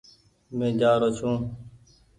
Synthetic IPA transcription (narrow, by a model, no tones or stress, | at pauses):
mẽːd͡ʒaːɾoːt͡ʃʰũː